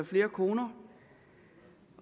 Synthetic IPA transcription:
ɐfle̝ːɐkʰo̝ːnɐ

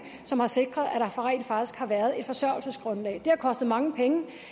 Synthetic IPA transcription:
sɒ̽mhɑ̈se̝ɡ̥ʁɐðˠæɾ̥ɑfɒʁɛ̰ːnfɑ̈ɡ̥d̥isɡ̥hɑ̈ʋæɐð̞̩ˠe̝d̥fɒ̽sɶɐ̰l̩səsɡ̥ʁɔ̽nlɛ̰ːd̥e̝hɑ̈kʰɒ̽sd̥ð̩ˠmɑ̈ŋəpʰeŋə

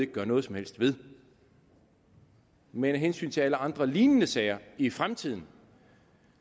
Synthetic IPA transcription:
e̝ɡ̥ə̥ɡɶɐnɔ̽ːðˠsɒ̽mhel̰sd̥ʋe̝ð̞ˠ | menæɦensy̰ːnt͡sʰe̝æləɑ̈nd̥ʁɐliːnənəsɛɪɐifʁamt͡sʰið̞̰ˠn̩

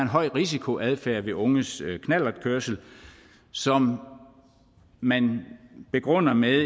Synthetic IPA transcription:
e̝nɦɒ̽ɪ̰ʁisikʰo̝ʔæðˠfæɐ̰ʋe̝ʔɔ̽ŋəskʰnæl̰ɐd̥kʰøɐsl̩ | sɒ̽m | mænb̥e̝ɡ̥ʁɔn̰ɐme

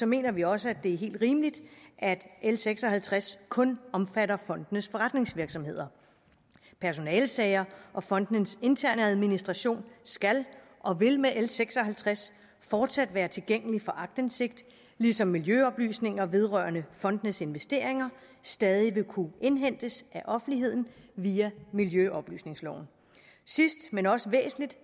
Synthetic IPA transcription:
sɒ̽me̝̰ːnɐʋiɒ̽s̬əæd̥e̝æɐɦe̝̰ːld̥ʁiːməlid̥ʔæd̥ʔelseɡ̥sɒ̽hælt͡sʰʁaskʰɔ̽nɒ̽mfæɾɐfɒ̽n̰d̥ənəsfɒʁäd̥ne̝ŋsʋiɐɡ̥sɒ̽mhe̝ð̰ˠɐ | pʰæɐso̝nɛːlsɛɪɐʔɒ̽fɒ̽n̰d̥nənse̝nt͡sʰæɐ̰nəæð̞ˠminisd̥ʁɑɕo̝̰ːnsɡ̥ælʔɒ̽ʋe̝lmeʔelseɡ̥sɒ̽ɦælt͡sʰʁas | fɒːd̥sæd̥ʋæːɐt͡sʰe̝lɡ̥eŋ̰əlifɒ̽ʔɑ̈ɡ̥̚d̥ense̝ɡ̥̚d̥ | lisɒ̽mːiljøɒ̽b̥ly̰ːsne̝ŋɐʋe̝ð̞ˠʁœɐnəfɒ̽nd̥nəse̝nʋesd̥e̝̰ːɐ̰eŋɐ | sd̥ɛːð̞ˠiʋe̝kʰue̝nɦen̰d̥əsæʔɒ̽fn̩liɦe̝ð̞̰ˠn̩ʋiːæmiljøʔɒ̽b̥ly̰ːsne̝ŋslɒ̰ʊ̰n̩ | sisd̥menɒ̽səʋḛːsn̩lid̥

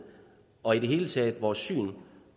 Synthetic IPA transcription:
ɒ̽iɾ̥e̝ɦe̝ːlət͡sʰɛ̰ːð̥ˠʋɒːsːy̰ːn

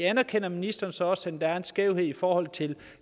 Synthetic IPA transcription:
ænɐkʰen̰ɐminisd̥ɐːn̩sɒ̽ɒ̽sænd̥ææɐe̝nsɡ̥eʊɦe̝ð̰ˠifɒːhɒ̽l̰t͡sʰe̝l

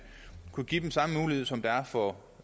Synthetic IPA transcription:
kʰuɡ̥id̥emsɑ̈məmuːlihe̝ð̰ˠsɒ̽md̥ɑæɐfɒ

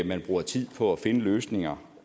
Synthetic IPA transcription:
mænb̥ʁuːɐt͡sʰið̰ˠpʰɒ̽æfe̝nəløːsne̝ŋɐ

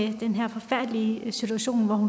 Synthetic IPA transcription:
ed̥enɦæɐ̰fɒ̽fæɐ̰d̥lisit͡sʰuæɕo̝̰ːnʋɒhun

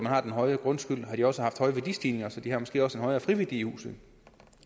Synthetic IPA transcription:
mænhɑ̈d̥enɦɒ̽ɪɐɡ̥ʁɔ̽nsɡ̥yl̰ɦhɑ̈d̥iɒ̽səhɑ̈fd̥hɒ̽ɪəʋæɐdisd̥ʰiːne̝ŋɐsɒ̽d̥ihɑ̈mɒ̽sɡ̥e̝̰ːɒ̽səe̝nɒ̽ɪɐːfʁiʋid̥ḭːhṵːsð̩ˠ

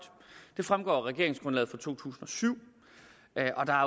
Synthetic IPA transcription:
d̥ | d̥e̝fʁamɡ̥ɒ̰ːʁɛɡ̥e̝ɐeŋsɡ̥ʁɔ̽nlɛ̰ːð̩ˠfʁɒ̈t͡sʰo̝̰ːt͡sʰṵːsn̩ɒ̽syʊ̰ | ʔɒ̽d̥ɑ̈æɐ

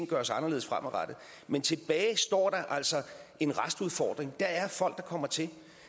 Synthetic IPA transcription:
n̩ɡ̥ɶɐsɑ̈nɐle̝ð̩ˠsfʁamɒʁad̥ð̩ˠ | ment͡sʰe̝b̥ɛːɪsd̥ɒ̰ːd̥ɑ̈ʔæl̰sɒ̽e̝nʁasd̥uð̞ˠfɒ̰ːd̥ʁeŋd̥ɑ̈æɐfɒ̽l̰ɡ̥̚d̥ɑ̈kʰɒ̽m̰ɐt͡sʰe̝l

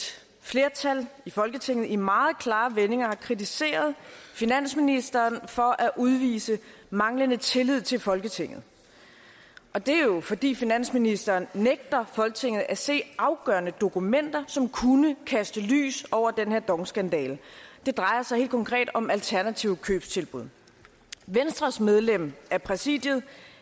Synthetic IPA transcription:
fle̝ɐt͡sʰælifɒ̽lɡ̥ət͡sʰe̝ŋ̰ð̩ˠimɑ̈ːð̞̩ˠkʰlɑ̈ːʋene̝ŋɐhɑ̈kʰʁit͡sʰise̝̰ːɐð̞ˠfinæn̰sminisd̥ɐːnfɒ̽ʔæʔuð̞ˠʋḭːsəmɑ̈ŋlənət͡sʰe̝lið̞̰ˠt͡sʰe̝lfɒ̽lɡ̥ət͡sʰe̝ŋ̰ð̞̩ˠ | ʔɒ̽d̥e̝æjo̝fɒ̽d̥ḭːfinæn̰sminisd̥ɐːnːeɡ̥̚d̥ɐfɒ̽lɡ̥ət͡sʰe̝ŋð̞̩ˠæse̝̰ːɑ̈ʊɡ̥ɶɐnəd̥o̝kumen̰d̥ɐsɒ̽mkʰunəkʰæsd̥əly̰ːsɒʊ̰ɐd̥enheɐd̥ɒ̽ŋsɡ̥ænd̥ɛ̰ːld̥e̝d̥ʁɑ̈ɪɐsɑ̈ɪhe̝̰ːld̥kʰɒ̽ŋkʰʁɛ̰ːd̥ɒ̽mælt͡sʰæɐnæt͡sʰiʊkʰø̰ːb̥st͡sʰe̝lb̥uð̞̰ˠ | ʋensd̥ʁɐsmeð̞ˠlem̰æɐpʰʁɛsḭːd̥jəðˠ

